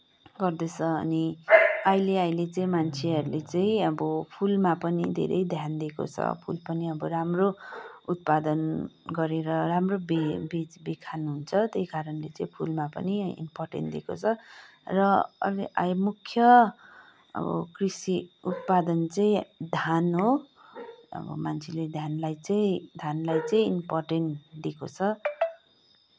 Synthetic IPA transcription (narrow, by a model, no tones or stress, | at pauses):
ɡʌrd̪et͡sʰʌʌ̰niʌjleajlet͡sʌĩmant͡sʰeʌɾulet͡sʌĩʌbʌpʰulmapʌnid̪ʱḛɾʌ̰jd̪ʱjand̪iko̰t͡sʰʌ̰pʰṵlpʌniʌbʌɾamrout̪̚pad̪ʌnɡʌɾeɾʌramrobebit͡sbekʰanuɦunt͡sʰʌt̪ejkaɾʌnlet͡sʌĩpʰulmapʌ̰niḭmpɔrʈḛnd̪eko̰t͡sʰʌ | rʌʌ̰liʔa̰jmukʰjʌ | ʌ̰bʌ̰krisiut̪̚pad̪ʌnt͡sʌĩd̪ʱanɦo | ʌ̰bʌ̰mant͡sʰeled̪ʱjanlajt͡sʌĩd̪ʱanlajt͡sʌĩimporʈenʈd̪ekot͡sʰʌ